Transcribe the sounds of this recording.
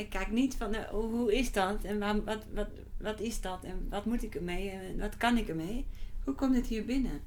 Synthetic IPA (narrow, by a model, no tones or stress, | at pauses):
ɪkʰːɛknitfɔnʔoːhuɪsdɔtɛnʋaʋɔtʋɔt | ʋɔtɪsdɔtɛnʋɔtmutɪkərmeːɛnnʋɔtkanɪkərmeːhukomtdɪthiəbɪnə